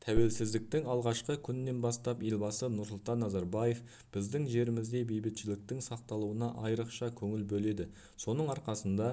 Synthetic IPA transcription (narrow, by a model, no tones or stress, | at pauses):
t̪ʰæwe̞lsɪzd̪ɪk̚t̪ɪŋɑlˠʁɑʃqəkʲʰʏnːe̞nbɑst̪ɑpje̞lʲbɑsənʊɾsʊlˠt̪ɑnːɑzɑɾbɑje̞f | b̥ɪzd̪ɪŋʒe̞ɾɪmɪzd̪e̞be̞jbɪt̪ʃɪlɪk̚t̪ɪŋsɑq̚t̪ɑlˠuwənɑʔɑjɾəqʃɑkʲʰɵŋɪlbɵle̞d̪ɪ | so̞nəɴɑɾqɑsənd̪ɑ